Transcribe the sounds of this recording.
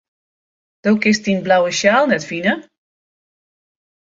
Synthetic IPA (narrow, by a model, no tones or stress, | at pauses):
d̥oːkɪstinblawəʃjaːlˠnɛtfinə